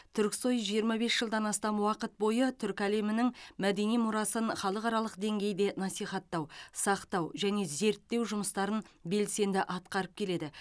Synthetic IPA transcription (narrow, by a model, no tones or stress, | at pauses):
t̪ʰʏɾkʲso̞jʒijəɾmɑbe̞sʒ̥əlˠd̪ɑnɑst̪ɑmwɑqət̪̚bo̞jət̪ʰʏɾkʲæle̞mɪnɪŋmæd̪e̞nijmʊɾɑsənχɑlˠəqɑɾɑlˠəqd̪e̞ŋɡʲe̞jd̪e̞nɑsijχɑt̪ːɑwsɑqt̪ɑwʒæne̞ze̞ɾt̪ːe̞wʒʊməst̪ɑɾənbe̞lse̞nd̪ɪʔɑt̪qɑɾəp̚kʲʰe̞le̞d̪ɪ